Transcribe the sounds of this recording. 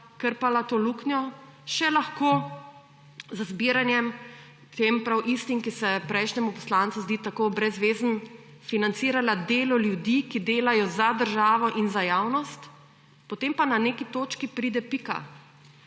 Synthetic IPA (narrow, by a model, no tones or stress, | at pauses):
kəɾpalat̪oːluːknjɔʃɛlaxkoː | zəzbiɾanjɛm | t̪empɾawʔist̪iŋkisɛpɾɛjʃnɛmupɔ̥slaːnt̪suzd̪iːt̪akoːbɾɛzʋeːzn | finant̪siːɾalad̪eːlɔljud̪ikid̪eːlajɔzad̪əɾʒaːʋɔʔinzajaːwnɔst̪ | pɔt̪empananeːkit̪oːt͡ʃkipɾiːd̪ɛpika̰